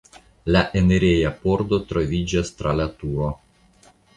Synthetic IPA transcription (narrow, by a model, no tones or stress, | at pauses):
laʔeneɾejapo̞ɾd̪o̞t̪ɾovid͡ʒast̪ɾalat̪uo